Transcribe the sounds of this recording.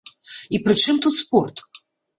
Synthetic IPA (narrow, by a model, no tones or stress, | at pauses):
ipɾɨt͡ʂɪmt̪ut̪spɔrt̪ʊ̥